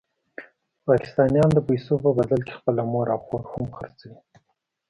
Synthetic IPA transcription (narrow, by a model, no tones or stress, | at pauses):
pɑkɪ̥st̪ɑnjɑnd̪əpajsopəbad̪alke̥xpəlamoɾawxoɾhamxəɾt͡sawi